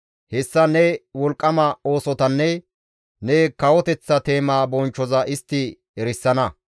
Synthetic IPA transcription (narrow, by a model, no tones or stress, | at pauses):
hɛsːɐnɛwɔlkʼːɐmɐo̞ːsɔt̪ɐnːɛ | nɛkɐwɔt̪ɛt͡sːɐt̪e̞ːmaːbɔnt͡ʃːɔzɐʔɪst̪ːɪ | ɛɾɪsːɐnɐ